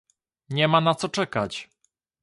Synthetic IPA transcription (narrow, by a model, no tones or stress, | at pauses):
ɲɛmanat̪sɔt͡ʂɛkat͡ɕ